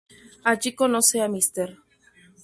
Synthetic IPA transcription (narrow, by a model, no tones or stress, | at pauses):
ad͡ʒikonoseamist̪eɾ